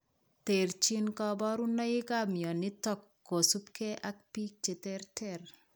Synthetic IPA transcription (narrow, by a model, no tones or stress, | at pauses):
t̪eɾt͡ʃinkɔbɔɾunːɐjikamjɔnit̪ɔkːosupkʰeʔakpik̚t͡ʃet̪eɾtʰeɾ